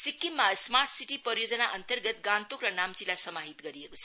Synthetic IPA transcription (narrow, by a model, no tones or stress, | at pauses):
sikːimːasmarʈʰsiʈipʌɾjod͡zʌnaʔʌnt̪ʌrɡʌt̪̚ɡãnt̪okrʌnamt͡silajsʌmaɦit̪ɡʌɾiekot͡sʰʌ